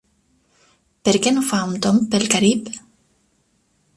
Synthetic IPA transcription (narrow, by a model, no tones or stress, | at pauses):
peɾkenufaunt̪ompelkaɾip